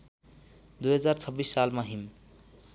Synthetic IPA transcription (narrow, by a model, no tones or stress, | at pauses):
d̪ujɦʌd͡zart͡sʰʌbːisːalmaɦim